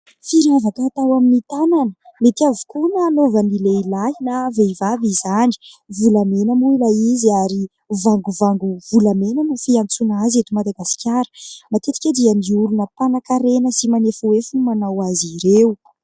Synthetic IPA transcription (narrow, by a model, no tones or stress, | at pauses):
fiɾavakəːt̪awaminit̪ananəmet̪iavu̥kunaːnovənileilainaveivavizani̥vulamenəmuilaiziaɾi | vaŋɡuvaŋɡuvulamenənufiant͡sunazet̪umad̪aɡasi̥kʲjaɾə̥mat̪et̪i̥kʲed̪iəniuɾunəpanakaɾenəsimanefuwefunimanawaziɾeu